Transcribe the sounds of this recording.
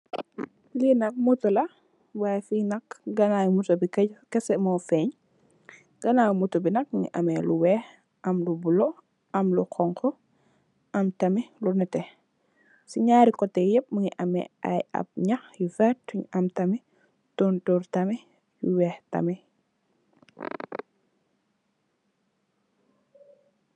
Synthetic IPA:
linɐk̚mutɔlɐ | wajfinɐkɡɐnajumutɔbikɐɟkɛsɛmɔfɛɲ | ɡ̥ɐnaːwmutobinɐk̚muŋḭʔɐ̰mɛluwɛːh | ʔɐmlubulɔ | ɐmlukʰɔŋkɔ | ʔɐmtɐmilunɛtɛ | siɲaːɾikɔtɛjɛp̚məŋiʔɐmɛ̰a̰jɐ̰p̚ɲɐxjufɛtːuɲʔɐmtɐmi | tɔntuɾtɐmi | juwɛːhtɐ̰mɛ

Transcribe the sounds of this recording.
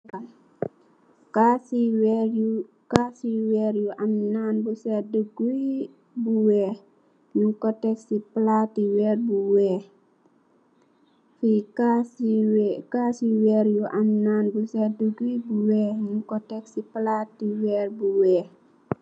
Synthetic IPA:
kasiw | kasiwɛːɾjuʔamnanbusɛdəɡui | buwɛː | ɲuŋkɔtːɛksipəlatiwɛːrbuwɛ | fika | kasiwɛːɾjuʔamnanbusɛdəɡuibuwɛːɲukɔtɛksipəlatːiwɛːrbuwɛːh

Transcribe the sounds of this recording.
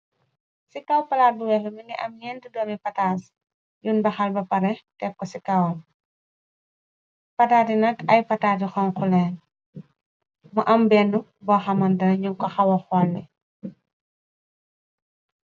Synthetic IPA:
sikɐwpɐlaːt̚buwɛfɐmiŋɡɛʔɐmjɛːndudɔːmipɐtaːs | junbɐxɐlbɐpɐɾɛtɛp̚kːɔsikɐwɐm | pɐtaːtinɐkɐjpɐtaːtixɔnxulɛːn | muʔɐmbɛnːubɔxɐmɐndɐnɐɲuŋkɔxɐwɐxɔlːɛ

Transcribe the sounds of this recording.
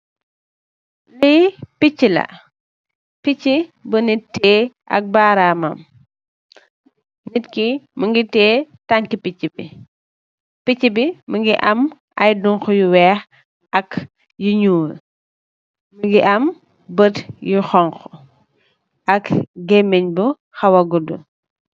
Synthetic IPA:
lijpicːilɐ̰ | pit͡ʃːibənitːɛːʔɐ̰k̚baːɾaːmɐ̰m | nitkiməŋɡitɛːtaŋkipicːibi | picːibiməŋɡiʔɐm | ɐjduŋxɔjuwɛːx | ɐk | juɲuːl | məŋɡiʔɐm | bətjuxɔŋkɔ | ʔɐkɡɛmːɛɲbu | xɐwɐɡudṵ

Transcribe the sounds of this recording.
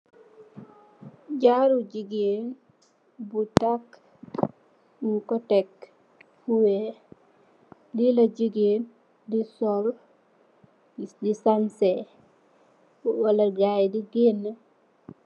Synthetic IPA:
d͡ʒaɾud͡ʒiɡen | butak | mukɔtɛk | fuwe | lilad͡ʒiɡen | disɔl | idisansɛ | walaɡajdiɡenːa

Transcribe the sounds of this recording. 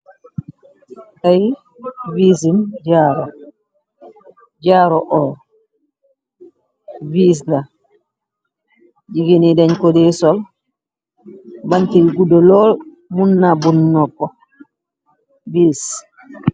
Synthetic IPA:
ʔaj | vis̬imd͡ʒaːɾɔ | d͡ʒaɾɔʔɔː | vis̬la | d͡ʒiɡenidɛɲkodɛsɔl | bantiɡudɔlɔ | munːabunːɔpːɔ | bis

